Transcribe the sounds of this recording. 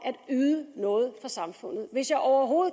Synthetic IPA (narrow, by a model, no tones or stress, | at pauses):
ʔæd̥yːðˠənɔ̽ːð̞̩ˠfʁɑ̈sɑ̈mfɔ̽n̰ð̞̩ˠʋe̝sjɑ̈ɪʔɒʊɐɦo̝ːð̩ˠ